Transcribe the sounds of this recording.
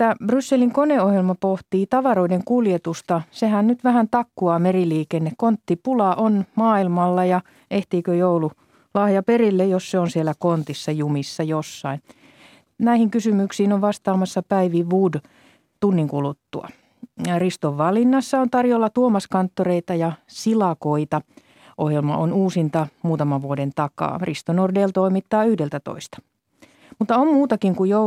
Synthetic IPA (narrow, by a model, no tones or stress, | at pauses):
t̪ːæb̥rysːeliŋkoneohjelmɑpoht̪iːt̪ɑʋɑroideŋkuljet̪ust̪ɑsehænnyt̪ʋæhænt̪ɑkːuɑːmeriliːkenːekkont̪ːipulɑʔonmɑːilmɑlːɑjɑ | eht̪iːkøjoulu | lɑhjɑperilːejosseonsielːækont̪isːɑjumisːɑjosːɑin | næihiŋkysymyksiːnoʋʋɑst̪ɑːmɑsːɑpæiʋiʋʋuːd | t̪unːiŋkulut̪ːṵɑ̰ | rist̪oʋʋɑlinːɑsːɑont̪ɑrjolːɑt̪uomɑskɑnt̪ːoreit̪ɑjɑsilɑkoit̪ɑ | ʔohjelmɑ̰ʔonuːsint̪ɑmuːt̪ɑmɑʋʋuodent̪ɑkɑ̰ːrist̪onordeːlt̪oimit̪ːɑːyhdelt̪æt̪o̰ist̪ɑ̥ | mut̪ːɑommuːt̪ɑkiŋkujjo